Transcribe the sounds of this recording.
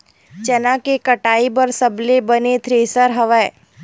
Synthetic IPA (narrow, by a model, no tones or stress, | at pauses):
t͡ʃɐnãkekɐʈaːibɐɾsɐblebɐnet̪ʰɾeːsəɾɦɐʋɛː